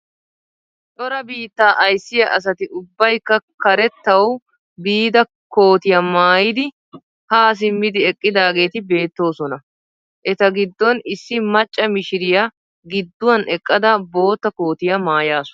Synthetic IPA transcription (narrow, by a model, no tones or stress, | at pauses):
t͡ʃʼɔɾɐbiːt̪ːaːʔɐjsːɪjɐʔɐs̬ɐt̪ɪʔʊbːɐjkːɐkɐɾɛt̪ːɐw | biːd̪ɐ | ko̞ːt̪ɪjɐmaːjɪd̪ɪ | haːs̬ɪmːɪd̪ɪɛkʼːɪd̪aːɡe̞ːt̪ɪbe̞ːt̪ːo̞ːsɔnɐ | ʔɛt̪ɐɡɪd̪ːɔnɪsːɪmɐt͡ʃʼːɐmɪʃɪɾɪjɐ | ɡɪd̪ːʊwɐnɛkʼːɐd̪ɐbo̞ːt̪ːɐko̞ːt̪ɪjɐmaːjaːsɔ̥